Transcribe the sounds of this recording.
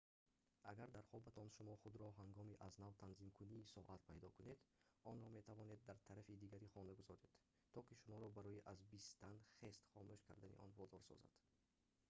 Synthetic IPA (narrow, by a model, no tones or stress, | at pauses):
ʔaɡaɾd̪aɾχɔbat̪ʰɔnʃumɔχud̪ɾɔɦaŋɡɔmiʔaznavt̪ʰanzimkʰuniːsɔʔat̪̚pʰajd̪ɔkune̞d̪ɔnɾɔme̞t̪ʰavɔned̪ːaɾt̪ʰaɾafid̪iɡaɾiχɔnaɡuzɔɾed̪̥ | t̪ʰɔkiʃumɔɾɔbaɾɔjiʔazbist̪anχest̪χɔmuʃkʰa̰ɾd̪anḭʔɔ̰nvɔd̪ɔɾsɔ̰za̰d̪̥